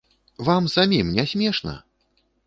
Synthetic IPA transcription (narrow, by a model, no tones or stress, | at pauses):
vamsamʲimnʲɛsʲmʲɛʂnɐ̰